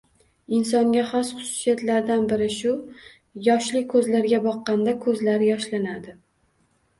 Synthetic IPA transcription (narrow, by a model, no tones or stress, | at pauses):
ɪnsɒŋɡʲaχɒsχʊ̥sʊ̥sijat̪laɾd̪anbɪɾɪʃʊ | jɒʃlɪkʰɵzlaɾɡʲabɒqːɑnd̪akʰɵzlaɾjɒʃlanad̪ɪ